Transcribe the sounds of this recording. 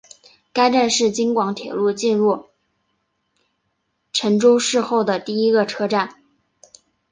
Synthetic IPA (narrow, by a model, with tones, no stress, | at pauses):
ka˥ɪʈ͡ʂa˥˧nʂɻ̩˥˩t͡ɕi˥ŋkwɑ˧˥ŋt̪ʰjɛ̰˨˩lu˥˧t͡ɕi˥˧nɻu˥˩ | ʈ͡ʂʰə˧˥ŋʈ͡ʂo˥ʊʂɻ̩˥˧xo˥˩ʊd̪ə˩t̪i˥˩i˥ɡə˧ʈ͡ʂʰɤ˥ʈ͡ʂa˥˩n